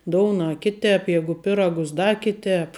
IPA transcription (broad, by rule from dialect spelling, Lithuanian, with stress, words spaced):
ˈdoːʊnɐ ˈkʲɪˌtʲɛːp ˈjæːɡʊ ˈpʲɪrɐɡʊs ˈdɐ ˈkʲɪˌtʲɛːp